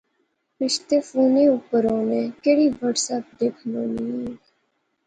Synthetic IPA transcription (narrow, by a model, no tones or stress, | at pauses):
pɪʃt̪eːfuːneːupəɾõːnẽːkeːɽiːʋəʈsəp̚d̪eːkʰnõːnĩ